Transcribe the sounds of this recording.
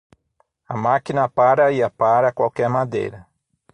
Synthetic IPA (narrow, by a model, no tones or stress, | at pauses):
ɐmakinɐpaɾɐiapaɾɐkwawkɛɾmad̪ḛjɾɐ